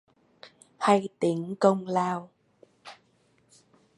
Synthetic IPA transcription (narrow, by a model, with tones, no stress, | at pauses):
ha˧jt̪i˨˦əŋkə˧wŋ͡mlaː˧w